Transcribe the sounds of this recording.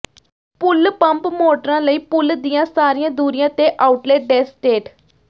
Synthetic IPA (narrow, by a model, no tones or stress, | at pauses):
pʊlpəmpmoːʈəɾãːləiːpʊld̪ijãːsaːɾiːãːd̪uːɾɪjãːt̪eːʔaːʊʈleːʈ̚ɖɛːsʈeːʈ